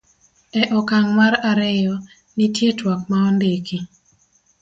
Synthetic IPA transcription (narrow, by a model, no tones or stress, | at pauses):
ɛʔɔkaŋmaɾaɾɛjɔ | nitjetwakmaɔndeki